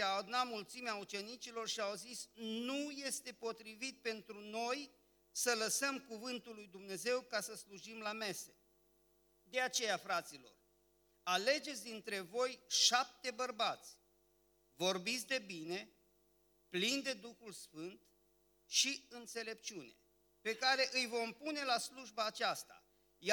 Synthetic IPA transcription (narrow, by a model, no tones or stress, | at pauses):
aad̪unat̪mult̪simeaut͡ʃe̞nit͡ʃilo̞rʃiawzisnuje̞st̪e̞po̞t̪ɾivit̪̚pe̞nt̪ɾuno̞j | sələsəmkuvɨnt̪ulːujd̪umne̞ze̞wkasəsluʒimlame̞se | d̪e̞at͡ʃe̞jafɾat̪silo̞̰r | ale̞d͡ʒe̞t̪sʲd̪int̪ɾe̞vo̞jʃap̚t̪e̞bərbat̪sʲ | vo̞rbit̪sʲd̪e̞bine̞ | plind̪e̞d̪uxulsfɨnt̪ | ʃiɨnt̪se̞le̞pt͡ʃiune̞̰ | pe̞kaɾe̞ʔɨjvo̞mpune̞lasluʒbaːt͡ʃast̪a̰ | j